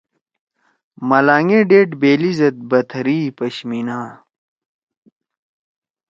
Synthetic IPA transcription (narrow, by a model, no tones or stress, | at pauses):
mɐlaːŋeɖeːʈbeːlizɐt̪̚bɐt̪ʰɾiːpɐɕminaː